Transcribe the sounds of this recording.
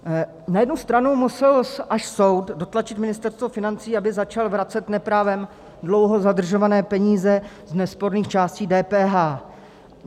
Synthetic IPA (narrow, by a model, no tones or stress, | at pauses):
najɛdnust̪ɾanumusɛlsʔaʃso̞wtdo̞t̪lat͡ʃɪt̪mɪnɪst̪ɛɾst̪vofɪnant͡siːabɪzat͡ʃalvɾat͡sɛt̪nɛpɾaːvɛm | dlowɦo̞zadr̩ʒo̞vanɛːpɛɲiːzɛ | znɛspo̞ɾniːxt͡ʃaːsciːdɛːpɛːɦaː